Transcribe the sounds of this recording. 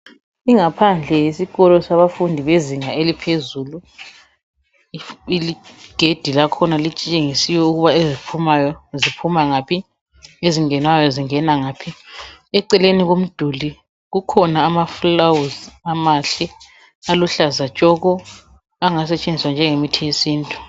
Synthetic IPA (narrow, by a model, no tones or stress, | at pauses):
iŋapʰand͡ɮʱɛjisiɣɔlɔsaβafundʱiβeziŋaelipʰezuːlu | iliɡ̥ʱed̥ʱilakʰɔnalit͡ʃʼt͡ʃʼeŋisiwɛuɣuβaezipʰumajɔzipʰumaŋaːpʰi | eziŋɛnwajɔziŋɛnaŋaːpʰiɛǀɛleniɣom̩d̥ʱuli | ɣukʰɔnaːmaflawuzamaɬɛ | aluɬazat͡ʃʼɔɣɔ | aŋas̬ɛt͡ʃʼend͡zʱiswand͡ʒʱɛŋemitʰɛjesiːntʼu